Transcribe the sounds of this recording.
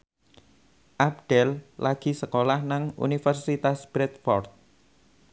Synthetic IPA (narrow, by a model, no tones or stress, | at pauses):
ʔab̚ɖ̪̥ɛllaɡ̥i̤səkolahnaŋṵnifərsit̪asb̥ɾɛt̪̚fɔrt̪̚